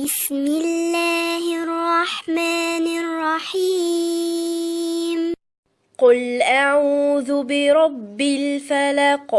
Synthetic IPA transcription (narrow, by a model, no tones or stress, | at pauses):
bɪsmɪlːaːhrˤːɑħmaːnɪrˤːɑħiː | m | qʊlʔaʕuːðʊbɪɾˤɑbːɪlfalaq